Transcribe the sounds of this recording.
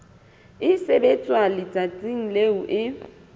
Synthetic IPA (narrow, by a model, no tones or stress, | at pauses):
ɪsebet͡sʼwalɪt͡sʼat͡sʼiŋ̩leuʔɪ